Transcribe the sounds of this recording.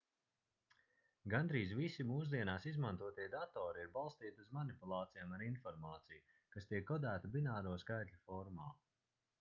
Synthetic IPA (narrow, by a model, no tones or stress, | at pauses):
ɡand̪ɾiːzvisimuːs̬d̪iɛnaːsizmant̪uɔt̪iɛjd̪at̪ɔːɾiiɾbalˠst̪iːt̪iuzmanipulˠaːt̪sijaːmaɾinfɔɾmaːt̪siju | kast̪iɛkːɔd̪æːt̪abinaːɾuɔskajt̪ʎʲufɔɾmaː